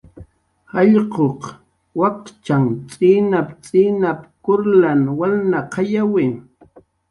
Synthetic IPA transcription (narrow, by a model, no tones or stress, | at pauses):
hɑʎqoq | wakt͡ʃaŋt͡sʼiːnapt͡sʼinapkʊɾlanwalnaqʰɑjawɪ